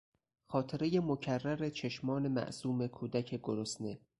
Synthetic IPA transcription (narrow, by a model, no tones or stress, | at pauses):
xɒːt̪ʰeɾe̞jemocʰærːæɾet͡ʃʰe̞ʃmɒːne̞mæ̰ʔsuːme̞kʰuːd̪æcʰeɡoɾosne